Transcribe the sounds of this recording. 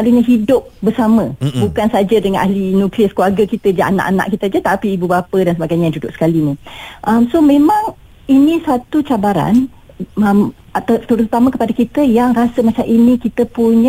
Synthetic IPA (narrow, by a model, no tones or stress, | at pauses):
aluɲaɦidʊp̚bərsamə̃bukansad͡ʒadəŋanʔa̰hlinũkliaskuarɡəkit̪əd͡ʒaʔa̰na̰ʔana̰ʔkit̪əd͡ʒat̪apiːbubapədansəbaɡajɲajadudʊʔsə̥kaliniʔəmsomẽmãŋ | inisat̪ut͡ʃabaɾa̰n | əm | t̪t̪uɾʊt̪ut̪aməkəpadakit̪əjaŋrasəmat͡ʃamʔinikit̪əpuɲə